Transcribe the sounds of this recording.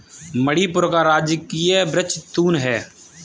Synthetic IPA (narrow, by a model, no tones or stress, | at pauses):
məɽiːpʊɾkaːɾaːd͡ʒɪkːiːeːbɾət͡ʃt̪ːuːnɦɛː